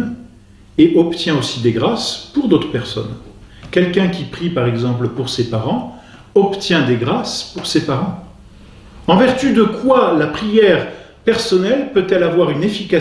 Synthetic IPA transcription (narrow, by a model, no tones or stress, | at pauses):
eʔɔpt̪jɛ̃osid̪eɡʁaspuʁd̪ot̪χə̥pɛʁsɔ̰n | kʲɛlkʲɛ̃kʲipχipaʁɛɡzɑ̃pləpuʁsepaʁɑ̃ | ɔpt̪jɛ̃d̪eɡʁaspuʁsepaʁɑ̃ | ɑ̃vɛʁt̪yd̪əkwalapχijɛʁ | pɛʁsɔnɛlpøt̪ɛlavwaʁynefika